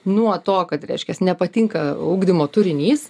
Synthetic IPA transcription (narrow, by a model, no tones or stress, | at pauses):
nuɔt̪oːkɐt̪ɾʲɛ̰ɪʃʲkʲɛsnʲɛpɐt̪ʲiŋkɐuːɡd̪ʲɪmoːt̪ʊɾʲɪnʲiːs